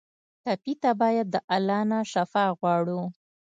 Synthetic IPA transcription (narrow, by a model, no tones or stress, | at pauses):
t̪apit̪abɑjad̪̚ːəʔalɑnaʃafɑɣwɑɽu